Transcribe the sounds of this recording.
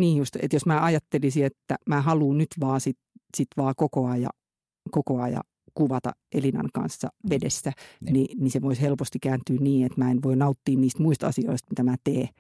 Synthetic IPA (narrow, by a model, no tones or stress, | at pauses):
niːjust̪ḛt̪josmæːɑjɑt̪ːelisiet̪ːæmæːhɑluːnnyt̪ʋɑːsit̪sit̪ʋɑːkokoɑjɑ̰ | kokoɑjɑ̰ | kuʋɑt̪ɑ̰ʔelinɑ̰ŋkɑ̰nsːɑ̰ʋedesːæniniseʋoishelpost̪ikæːnt̪yːnniːet̪mæːenʋoinɑut̪ːiːnniːst̪muist̪ɑ̰sio̰ist̪mit̪æmæːt̪eː